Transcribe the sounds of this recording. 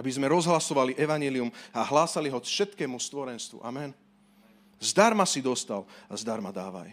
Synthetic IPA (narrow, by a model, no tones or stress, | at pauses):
abizmɛɾɔzɦlasɔʋaliʔɛʋaɲjɛliumaɦlaːsaliɦɔfʃɛt̪kɛːmust̪ʋɔɾɛnst̪ʋṵʔamɛn | zd̪aɾmasid̪ɔst̪alazd̪aɾmad̪aːʋa̰j